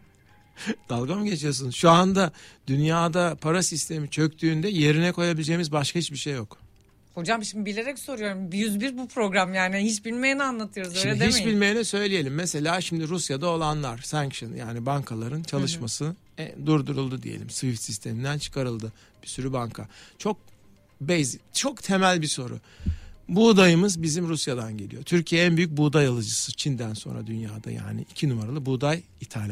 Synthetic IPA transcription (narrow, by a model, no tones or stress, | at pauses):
d̪̥alˠɡamɟe̞t͡ʃʰijosunzʃuand̪ad̪̥ynjaːd̪apʰaɾasist̪ʰe̞mit͡ʃʰøkt̪ʰyːnd̪ɛje̞ɾinɛkʰo̞jabilʲd͡ʒe̞jmizbaʃkʰahit͡ʃbiʃe̞jːo̞k | ho̞d͡ʒamʃimd̪ibilʲe̞ɾɛcso̞ɾujo̞ɾumbjyzbiɾbupʰɾo̞ɡɾamjaːniɦit͡ʃbilʲmejinianlˠat̪ʰɯjo̞ɾuzølʲed̪it͡ʃbilʲme̞jinɛsø̞jlʲije̞lʲimːese̞lʲaːʃimd̪iɾusjad̪ao̞lˠanlˠaɾ̥sæŋkʃɯnjaːnibaŋkʰalˠaɾɯnt͡ʃʰalˠɯʃmasɯ | ɛd̪uɾd̪uɾulˠd̪ud̪ḭjḛlʲḭmsvift̪sist̪ʰe̞mind̪ænt͡ʃʰɯ̥kʰaɾɯlˠd̪ɯ | b̥isyɾybaŋkʰat͡ʃʰo̞k̚ | bejzict͡ʃʰo̞kt̪ʰe̞mælʲbiso̞ɾṵ | bud̪ajɯmɯzbizimɾusjad̪anɟe̞lʲḭjo̞̰t̪ʰyɾcʰijɛænbyjyc̚buːd̪ajalˠɯd͡ʒɯsɯt͡ʃʰind̪ænso̞̰nɾa̰d̪ynjaːd̪a̰ja̰ːnḭicʰinumaɾalˠɯbuːd̪aj | it̪ʰalʲa